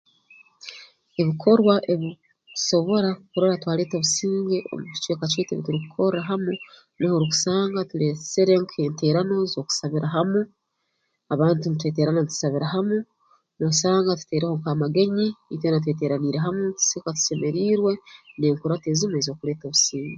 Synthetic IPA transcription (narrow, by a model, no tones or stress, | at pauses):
eβikʰo̞ɾwaʔe̞βi̥ | so̞βo̞ɾakukuɾoɾatwaːle̞ːtoβusiːŋɡeʔo̰mutu̥t͡ʃweːkat͡ʃweːteβituɾiku̥kʰoɾaɦamu | nehoɾuku̥saːŋɡatulet͡seɾe̞ŋkueːnte̞ːɾano̞zoːku̥saβiɾaɦamu | aβaːntunutwe̞ːte̞ːɾananitu̥saβiɾaɦamu | nusaːŋɡatu̥te̞ːɾeho̞ŋkamaɡe̞ɲinitwenat̬we̞ːt̬e̞ːɾaniːɾe̞ɦamutu̥sekatu̥se̞me̞ɾiːɾwe̞ne̞ːŋkuɾateːzimwezo̞ːkule̞ːtoβusiːŋɡe